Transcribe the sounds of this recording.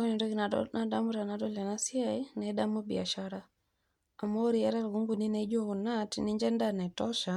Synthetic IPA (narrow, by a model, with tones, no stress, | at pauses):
kɔ˦ni˨dɔ˦ɡinana˨da˦mu˦ɾa˨nadɔ˦la˨na˦si˦ainɛ˦da˦mu˦bḭ˨a˨ʃaɾa | a˨mo˦ɾija˦ɾa˦ɾɡu˦ŋɡu˨ni˦ne˦d͡ʒo˦ku˨natni˦ɲd͡ʒɛ˦nda˦nɛ˨tɔ˦ʃa˨